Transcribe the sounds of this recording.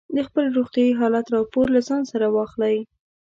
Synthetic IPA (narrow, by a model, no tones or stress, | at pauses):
d̪əxpəlɾoɣt̪jɑjiɦɑlat̪ɾɑpoɾlazɑnsaɾawɑxlaj